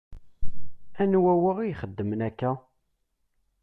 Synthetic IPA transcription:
ænwæwəʁijχəd̪ːəmənækːæ

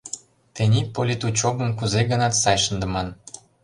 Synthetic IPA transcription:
t̪enʲipolʲit̪ut͡ɕobə̆mkuzeɡənɑt̪sɑjʃənd̪ə̆mɑn

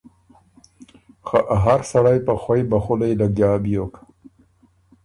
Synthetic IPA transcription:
xaʔaɦaɾsaɽajpaxwajbaxulajlaɡjɑːbijok

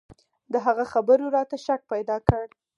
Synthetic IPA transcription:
d̪əɦaɣaxabəɾoɾɑt̪aʃak̚pajd̪ɑkəɽ

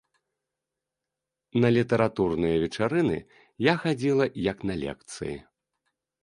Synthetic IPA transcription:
nɐlʲit̪ɐɾat̪urnɨjɐvʲɛt͡ʂaɾɨnɨ̰ | jaxad͡zʲilˠɐjɐknɐlʲɛ̰kt̪sɨ̰jḭ

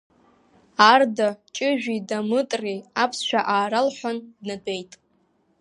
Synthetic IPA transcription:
ardat͡ʃʼɪʒᶣidamɨtʼriapʰsʃʷᶣaʔaːɾalħʷandnadʼe̞jtʼ

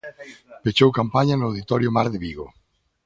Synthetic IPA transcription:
pet͡ʃowkampaɲanʊawðit̪ɔɾjʊmaɾðeβiɣo

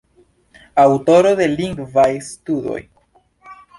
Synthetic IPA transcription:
awto̞ɾo̞de̞liŋɡvajstudo̞̰j

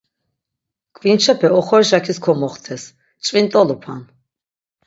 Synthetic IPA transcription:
kʼvint͡ʃʰɛpʰɛɔχɔɾʃakʰiskʰɔmɔχt̪ʰɛs | t͡ʃʼvint̪ʼɔlupʰa̰n

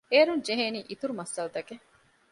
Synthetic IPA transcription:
eːɾund͡ʒeɦeːniːʔit̪uɾumɐsːɐlɐt̪ɐke

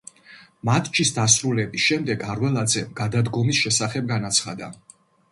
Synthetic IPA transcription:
mat̪ʰt͡ʃʰisd̪asɾulɛbisʃɛmd̪ɛɡaɾwɛlˠad̪zɛɡ̥ad̪ad̪ɡɔmisʃɛsaχɛb̚ɡanat̪sʰχad̪a̰

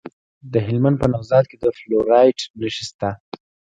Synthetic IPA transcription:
d̪əɦɪlmand̪̚pənawzɑt̪̚ked̪əfloɾɑjʈmləʃist̪a

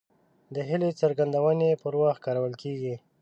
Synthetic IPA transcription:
d̪əɦɪlet͡səɾɡand̪awənepəɾwax̚kɑɾawəlkeɡi

